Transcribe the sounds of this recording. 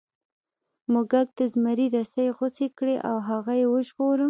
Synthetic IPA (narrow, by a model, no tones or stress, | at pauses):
mʊɡaɡ̚d̪̥əzmaɾiɾasajɣot͡sekɽeʔawɦaɣajewəʒɣoɾəm